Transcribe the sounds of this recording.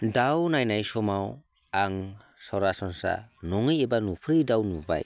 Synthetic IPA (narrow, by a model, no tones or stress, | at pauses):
dawnajnajsɔmaw | aŋ | sɔɾasɔnsa̰nɔŋɯjɛbanupʰɾidawnuba̰j